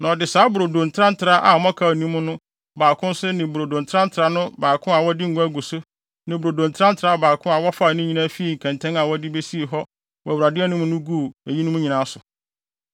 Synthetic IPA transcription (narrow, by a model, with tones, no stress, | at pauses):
nã˨dɪ˨saː˦bʊ˨ɾo˨dõ˨ntʰã˦n̩˦tʰɾa˦ʔa˨mɔ̃˦kʰa˨nĩ˦mʊ̃˦nʊ̃˦ | baː˨kʰʊ̃˦n˦sɛ˦nɪ̃˨bʊ˨ɾo˨dõ˨ntʰɾã˦n̩˦tʰɾa˦nʊ̃˦baː˨kʰʊ̃˦a˨wɔ˦dɪ˦ŋ̩˨ɡʊ̃˦æ˦ɡu˨sʊ˦ | nɪ̃˨bɾo˨dõ˨ntʰɾã˦n̩˦tʰɾaː˦baː˨kʰʊ̃˦a˨wɔ˦fa˦˨nʊ̃˦ɲĩ˦nã˦fi˦i˦˨ŋ̩˨kʰɛ̃˨ntʰɛ̃˦ŋa˨wɔ˦dɪ˦be˦si˦e˨ɦɔ˦ | wɔ˨æ˨wɾa˨dɪ˦ɛ˦nʊ̃˦mʊ̃˦nʊ̃˦ɡu˦˨e˨ji˦nʊ̃˦mũ˦ɲĩ˨nãː˦sʊ˨